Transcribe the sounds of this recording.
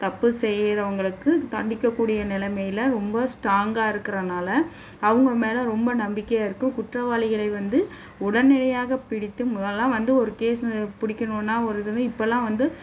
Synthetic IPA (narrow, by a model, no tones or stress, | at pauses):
t̪ɐpːɯsɛjːɾɐʋɐŋɡɐɭɯkːɯt̪ɐɳɖɪkːɐkːuːɽɪjɐnɪlɐmɐjɪlɐɾɔmbɐsʈɾaːŋɡaːɪɾɯkːɪɾɐnaːlɐ | ɐʋɯŋɡɐmeːlɐ̃ɾɔmbɐnɐmbɪkːɐjaːɪɾɯkːɯ̃kʊʈrɐʋaːlɪɣɐɭɐɪʋɐnd̪ɯ | ʊɽɐnɛɽɐjaːɣɐpɪɽɪt̪ːɯmɐlːãːʋɐnd̪ɯɔɾɯkeːspɪɽɪkʲːɐnoːnːaːɔɾɯðɯnɯ̃ɪpːɐlːãːʋɐnd̪ɯ